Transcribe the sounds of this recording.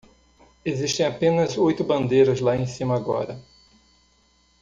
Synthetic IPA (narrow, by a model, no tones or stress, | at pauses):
eziʃt̪ẽj̃apẽnɐzojt̪ʊbɐ̃nd̪ejɾɐzlaẽsĩmɐaɡɔ̰ɾɐ